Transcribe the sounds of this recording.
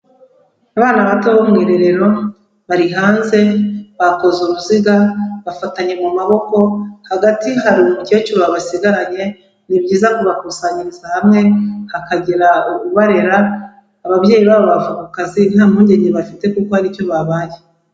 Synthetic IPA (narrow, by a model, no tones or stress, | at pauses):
aβaːnaβatoβo̞mŋiːɾe̞ɾe̞ɾo̞ | βaɾiɦaːnze̞βako̞zuβuziɡaβafataɲe̞mumaβo̞ko̞haɡatiɦaɾimuce̞ːt͡ʃoβaβasiɡaɾaɲe̞ | nibɟiːzakoβakuːsaɲiɾizahamŋe̞hakaɟeɾauuβaɾe̞ɾaː | βaβɟe̞ːjiβaːβoβavukukazin̥haːmuːɲɟe̞ɲeβafite̞kuko̞haɾivjo̞βaβaːje